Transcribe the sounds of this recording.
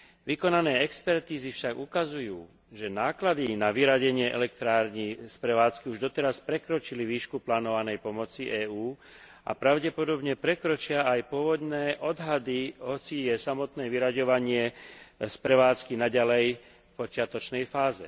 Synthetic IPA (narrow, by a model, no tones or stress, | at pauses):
ʋikɔnanɛːɛkspɛɾt̪iːzifʃaɡukazujuː | ʒɛnaːklad̪inaʋiɾaɟɛɲɪɛʔɛ̰lɛkt̪ɾaːɾɲispɾɛʋaːt͡skiuʒd̪ɔt̪ɛɾaspɾɛkɾɔt͡ʃiliʋiːʃkuplaːnɔʋanɛjpɔmɔt͡siʔɛːuː | ʔa̰pɾaʊɟɛpɔd̪ɔbɲɛpɾɛkɾɔt͡ʃɪaajpʊɔʋɔd̪nɛːʔɔd̪ɦad̪iɦɔt͡sijɛsamɔt̪nɛːʋiɾaɟɔʋaɲɪɛspɾɛʋaːt͡skinaɟalɛj | fpɔt͡ʃɪat̪ɔt͡ʃnɛjfaːzɛ̰